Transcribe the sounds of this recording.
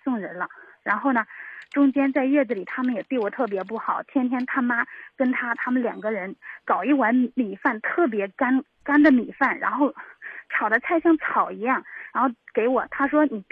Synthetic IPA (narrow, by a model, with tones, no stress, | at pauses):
sʊ˥˩ŋɻə˧˥nlə˧ɻa˧˥nxo˥˩ʊnə˩ʈ͡ʂʊ˥ŋt͡ɕjɛ˥nt͡sa˥˧ɪɥɛ˥˩d͡z̩˩li˨˩t̪ʰa˥mə˨njɛ˨˩t̪i˥˩wɔ˨˩t̪ʰɤ˥˩p̬jɛ˧˥p̬u˥˩xɑ˨˩˦ʊt̪ʰjɛ˥nt̪ʰjɛ˥nt̪ʰa˥ma˥kə˥nt̪ʰa˥t̪ʰa˥mə˨nljɑ̰˨˩ŋɡə˦ɻə˧˥nkɑ˨˩ʊi˥˩wa˧˥nmi˨˩fa˥˩nt̪ʰɤ˥˩p̬jɛ˧˥ka˥n | ka˥nd̪ə˨mi˨˩fa˥˩nɻa̰˧˥nxo˥˩ʊt͡sʰɑ˨˩ʊd̪ə˦t͡sʰa˥˧ɪɕjɑ˥˧ŋt͡sʰɑ˨˩ʊi˧˥jɑ˥˩ŋɻa˧˥nxo˥˩ʊke˧˥ɪwɔ˨˩t̪ʰa˥ʂwɔ˥ni˨˩